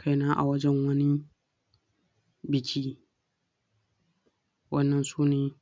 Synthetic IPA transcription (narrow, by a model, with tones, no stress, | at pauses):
kʰa˦jnaː˦ʔa̰˨wɐ˦d͡ʒɛ˦ŋwɐ˦ni˦ | bɪ˨kʲʰiː˦ | wɐ˦nːɐ˨nsuː˦neː˨